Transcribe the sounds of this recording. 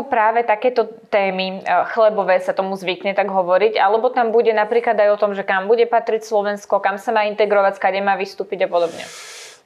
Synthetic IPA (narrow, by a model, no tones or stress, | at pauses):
pɾaːʋɛt̪akɛːt̪ɔ | t̪ɛːmixlɛbɔʋɛːsat̪ɔmuzʋikɲɛt̪aɡɦɔʋɔɾiɟalɛbɔt̪ambuɟɛnapɾiːklad̪ajɔt̪ɔmʒɛkambuɟɛpat̪ɾicslɔʋɛnskɔkamsamaːint̪ɛɡɾɔʋackaɟɛmaːʋist̪uːpiɟapɔd̪ɔbɲɛ̰